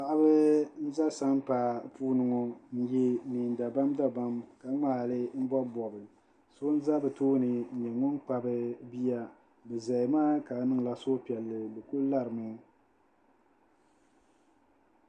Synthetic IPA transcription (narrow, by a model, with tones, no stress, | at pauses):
pa˨ʔa˦bɨ˦n̩˦za˦sa˦m˦pa˨puː˦nɨ˨ŋɔ˨n̩˦je˦ni˨n˨da˨ba˦mda˦ba˦mka˨˦ŋ͡maː˨lɨ˦m̩˦bɔ˦bɔ˨bɨ˨ | so˦n̩˦za˦bɨ˨toː˦nɨ˨ɲɛ˨ŋʊ˦nk͡pa˨bɨ˦bi˦ja˦ | bɨ˨za˨jmaː˦ka˨˦nɨ˦ŋ˨la˦so˦pi˨ɛ˨lːɨ˨bɨ˨ku˦lla˦ɾɨ˨mɨ˦